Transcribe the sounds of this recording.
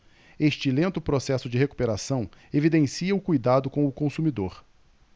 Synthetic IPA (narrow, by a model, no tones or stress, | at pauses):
eʃt͡ʃɪlẽnt̪ʊpɾosɛsʊd͡ʒɪɦeku̥peɾasɐ̃w̃evid̪ẽsiɐʊkujd̪ad̪ʊkõw̃ʊkõsumid̪oɾ